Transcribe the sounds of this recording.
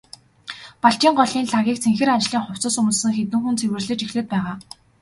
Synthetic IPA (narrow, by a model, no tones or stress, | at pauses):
paɬt͡ɕiːŋɢɔɮiːnɮaɣʲiːk̚t͡sʰeŋxɘ̆ɾat͡ɕɮiːŋχʊw̥t͡sə̆sɵm̆ɮsɘ̆ŋxet̪ɘ̆ŋxunt͡sʰewɘ̆rɮɘ̆t͡ɕixɮĕːt̪̚pæːʁaː